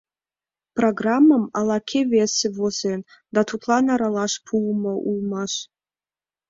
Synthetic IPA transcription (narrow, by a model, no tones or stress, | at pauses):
pʰroɡramːamalakʲʰevesɨvosen | d̪atʰutʰlanaɾalaʂpʰuwmɐʔumaʃ